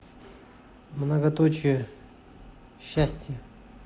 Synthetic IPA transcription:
mnəɡɐt̪ot͡ɕɪjə | ɕːæsʲtʲjə

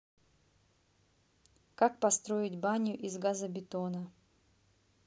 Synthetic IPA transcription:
kak̚pɐst̪ɾo̞ɪtʲbanʲjʊʔizɡazəbʲɪt̪onə

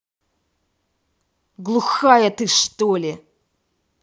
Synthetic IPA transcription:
ɡlˠuxajɐt̪ɨʂt̪olʲɪ

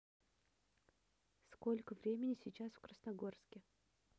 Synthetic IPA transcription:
sko̞lʲkəvɾʲemʲɪnʲɪsʲɪt͡ɕasfkɾəsnɐɡo̞rskʲɪ

